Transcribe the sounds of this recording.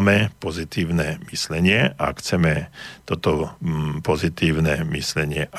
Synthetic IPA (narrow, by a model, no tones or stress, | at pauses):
mɛpɔzit̪iːʊnɛmislɛɲɪɛʔa̰kxt͡sɛmɛt̪ɔt̪ɔpɔzit̪iːʊnɛmislɛɲɪɛʔ